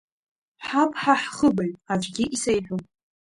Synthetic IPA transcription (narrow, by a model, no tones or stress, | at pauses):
ħapʰʼħaħχəbaɥʼad͡ʒʷɡʲɪʔisejħʷᶣupʼ